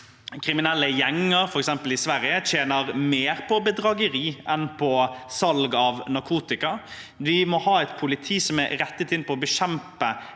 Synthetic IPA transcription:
kʰɾɪmɪnɛlːəjɛŋːəɾfɔɾɛksɛmpəlɪsʋæɾjətʰeːnəɾmeːɾpʰɔbəd̪ɾɑɡəɾiːɛnpʰɔsɑlɡɑʋnɑɾkʰuːt̪ɪkɑ | ʋɪmɔhɑːɛɪt̪pʰʊlɪt̪ʰiːsɔmæɾɛt̪ːət̪ʰɪnpʰɔɔbəʃɛmpə

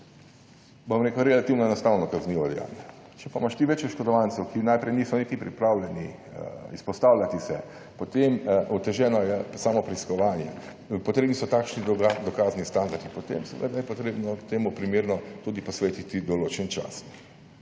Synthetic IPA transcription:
bomɾeːkʊɾɛlat̪iwnɔɛnɔst̪awnɔkazniʋɔd̪ɛ̰ja̰ːnjɛ | t͡ʃɛpamaʃt̪iʋɛt͡ʃjɛʃkɔd̪ɔʋant̪sɛwkinajpɾɛjniːsɔnit̪ipɾipɾawlʲɛni | ispɔst̪aːwlʲjat̪isɛ̰ | pɔt̪emut̪ɛʒɛːnɔjɛsaːmɔpɾɛiskɔʋaːnjɛ | pɔt̪ɾeːbnisɔt̪akʃnid̪ɔkaːznist̪and̪aɾd̪ipɔt̪ḛmsɛʋə̰d̪ajɛpɔt̪ɾeːbnɔt̪eːmupɾimeːɾnɔt̪ud̪ipɔsʋeːt̪it̪id̪ɔloːt͡ʃɛnt͡ʃa̰s

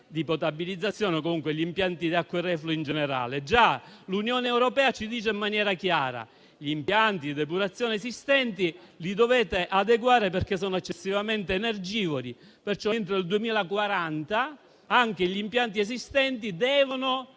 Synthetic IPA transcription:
d̪ipot̪abilid̪zːat̪sːjɔːnekomuŋkweʎimpjant̪id̪iakːwerɛfloind͡ʒeneɾa̰ːled͡ʒalunjoːneːwɾopɛːat͡ʃid̪iːt͡ʃeimːanjɛːɾakjaːɾa̰ | ʎiimpjant̪id̪epuɾat̪sːjoːneesist̪ɛnt̪ilid̪ovɛːt̪eʔad̪eɡwaːɾeperkes̬ɔːnoet͡ʃːesːivament̪eːnerd͡ʒiːvoli | pert͡ʃɔnt̪ɾoild̪uemiːlakwaɾant̪a | aŋk̟eʎimpjant̪̬iesist̪ɛnt̪id̪ɛːvono

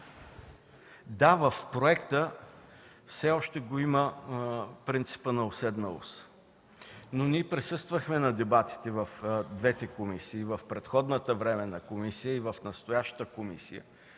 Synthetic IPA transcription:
d̪avəfpɾoɛkt̪ə | fsɛɔʃt̪ɛɡoimə | pɾint̪si̥pənɐosɛd̪nəlˠo̰s | noniɛpɾɛsɤst̪vəxmɛnɐd̪ɛbat̪i̥t̪ɛvəfd̪vɛt̪ɛkomisiːvəfpɾɛt̪xɔd̪nət̪əvɾɛmɛnɐkomisijəivəfnɐst̪ojaʃt̪əkomḭsijə̰

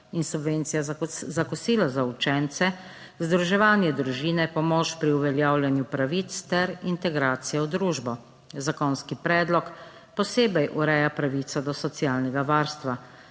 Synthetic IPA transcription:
insubʋent̪sijazakɔsiːlazaut͡ʃɛnt̪sɛ | zd̪ɾuʒɛʋaːnjɛd̪ɾuʒiːnɛpɔmɔt͡ʃpɾiuʋɛljaːwljanjupɾaʋit̪st̪ɛɾint̪ɛɡɾaːt̪sijɛwd̪ɾuʒbɔ | zakɔnskipɾɛːd̪lɔk | pɔseːbɛjʔuɾɛːjapɾaʋit̪sad̪ɔsɔt̪siaːlnɛɡaʋaːɾst̪ʋa

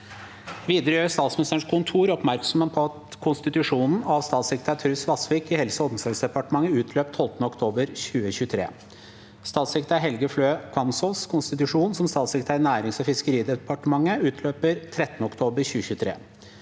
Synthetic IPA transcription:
ʋiːd̪əɾəjøːst̪ɑːt̪smɪnɪst̪əɳ̩ʂkʰʊnt̪ʰuːɾɔpmæɾksɔmhenpʰɔɑt̪kʰʊnst̪ɪt̪ʉʂuːnn̩ɑʋst̪ɑːt̪sɪkt̪ʰæt̪ʰɾʉsʋɑsʋiːkɪhɛlsəɔd̪̩sɑlsd̪ɛpɑʈəmɑŋːəʉːt̪ʰløːp̚t̪ʰːɔlt̪ənəɔkt̪ʰoːbəɾɕʉːəɕʉːt̪ʰɾḛː | st̪ɑːt̪sɪkt̪æɦɛlɡəfløːkʰɑnsɔskʰʊnst̪ɪt̪ʉʂuːnsɔmst̪ɑːt̪sɪkt̪ʰæːɾnæːɾɪŋsɔfɪskəɾiːd̪ɛpɑʈəmɑŋːəʉːt̪ʰløːpəɾt̪ʰɾɛt̪ːənəɔkt̪ʰoːbəɾɕʉːəçʉːt̪ʰɾḛː

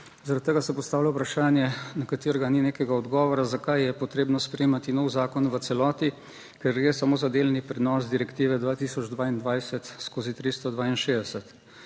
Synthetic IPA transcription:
zaɾat̪̚t̪ːeːɡasɛpɔst̪aːwlʲaupɾaʃaːnjɛnakat̪iːɾɛɡanineːkɛɡaɔd̪ɡɔːʋɔɾazakajjɛpɔt̪ɾeːbnɔspɾɛemat̪inɔwzaːkɔnʋət̪sɛlɔːt̪i | kɛɾɡɾeːsamoːzad̪eːlnipɾɛnɔsd̪iɾɛkt̪iːʋɛd̪ʋaːt̪iːsɔd͡ʒd̪ʋaːind̪ʋajsɛt̪skoːzit̪ɾist̪ɔd̪ʋaːinʃeːd̪ɛsɛt̪

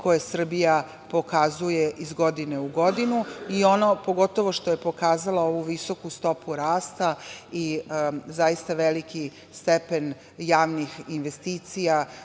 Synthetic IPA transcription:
kʰo̞jesr̩bija | po̞kazujeʔizɡo̞d̪ine̞uɡo̞d̪inuio̞nopo̞ɡo̞t̪o̞ʋo̞ʃt̪o̞je̞po̞kaːzalao̞ʋuʋiso̞kust̪o̞puɾaːst̪aizajist̪aʋeliki | st̪epen | jaːʋnixinʋest̪iːt̪sija

